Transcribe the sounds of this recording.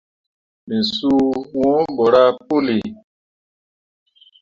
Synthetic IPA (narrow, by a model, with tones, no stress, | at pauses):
mi˨su˦wɔ̃˦bɔ˨ɾa˦po˦li˨